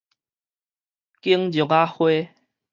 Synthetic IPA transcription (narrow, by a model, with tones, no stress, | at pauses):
ki˦əŋd͡ʑjo˨˩˨ka˦hwe˦